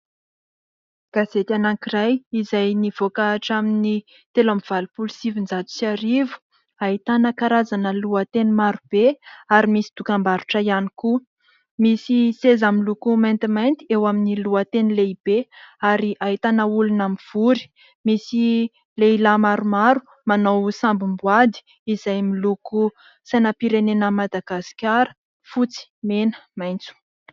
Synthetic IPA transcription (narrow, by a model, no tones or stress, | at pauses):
ɡ̥azet̪anaŋkirajizajniv̥okaʈ͡ʂamini | t̪elamiv̥alupulusivinzat̪u̥saɾivu̥ | aɦit̪anəkaɾazanəluat̪enimaɾub̥eaɾimisi̥d̪̥ukambaɾuʈ͡ʂəjaniku | misisezamilukumajnt̪imajnt̪iewaminiluət̪enileib̥eaɾiʔaɦit̪anəulunamiv̥uɾi̥ | misi | leilamaɾumaɾu̥ | manawsambumbwad̪i̥ | iz̥ajmiluku | sajnəpiɾenenəmad̪aɡasi̥kʲaɾə̥ | fut͡si̥menə̥majnt͡su̥